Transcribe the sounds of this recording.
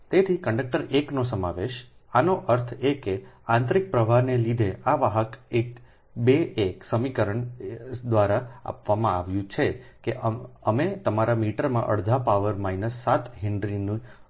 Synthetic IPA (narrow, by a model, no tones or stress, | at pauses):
t̪et̪ʰikə̃ɳɖək̚ʈəɾeknosəmaʋeʃanoʔəɾt̪ʰekeãnt̪ɾik̚pɾəʋʱanelid̪ʱeaʋaɦəkek | beːksəmikəɾəɳd̪ʋaɾaa̰pʋamãaʋjũt͡ʃʰekeəmet̪əmaɾamiʈəɾmãʔə̰ɽd̪ʱapaʋəɾmajnəsːat̪ɦɪɳɖɾinĩ